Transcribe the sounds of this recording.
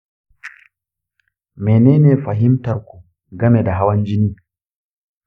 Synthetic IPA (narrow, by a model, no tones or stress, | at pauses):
mɛnɛːnɛfaɦimtaɾku | ɡamɛdaɦawand͡ʒiniː